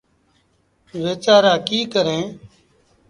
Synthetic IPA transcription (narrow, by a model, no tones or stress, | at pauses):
ʋeːt͡ʃaːɾaːkiːkəɾẽː